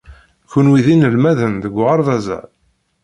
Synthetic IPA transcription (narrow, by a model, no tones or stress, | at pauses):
kːʊnwiðinəlmæðənðəɡʷʁəɾˤðæzæ̰l